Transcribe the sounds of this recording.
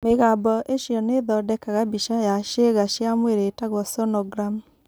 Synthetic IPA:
meɣabɔʔeʃjɔneðɔdɛkaɣabiʃajaʃeɣaʃjamweɾetaɣɔsɔnɔɡɾam

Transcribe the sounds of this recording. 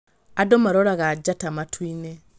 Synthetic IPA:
adomaɾoɾaɣad͡ʒatamatʰwine

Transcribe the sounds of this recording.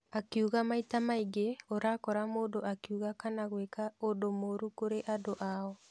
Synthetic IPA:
akiuɣamaitamaiɡeoɾakɔɾamoːdoʔakiuɣakanaɣwekaodomoɾukoɾeʔadoʔaɔ

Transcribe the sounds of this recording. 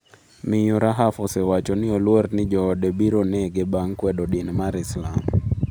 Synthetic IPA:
mɪjuɾaɦafɔsɛwat͡ʃɔnɪɔlwɔrnɪd͡ʒɔːdɛbiɾonɛɡebaŋkwɛdɔɗinmaɾislam

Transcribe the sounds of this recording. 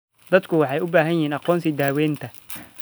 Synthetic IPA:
d̪̥ɐd̪kʰʊwɑħɑjʊbaːɦɐnjɪhiːnɑqɔːnsɪd̪aːwɛːnt̪ʰɐ

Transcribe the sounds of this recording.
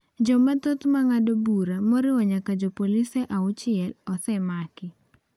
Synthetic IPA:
d͡ʒɔmɛt̪ot̪maŋadobuɾamɔɾɪwɔɲakad͡ʒopolisɛʔaʊt͡ʃɪɛlɔsɛmakɪ

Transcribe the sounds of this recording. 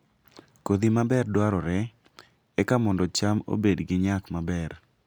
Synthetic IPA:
kod̪imabɛrdwaɾɔɾɛ | ɛkamɔndɔt͡ʃamo̰bedɡɪɲakmabɛr

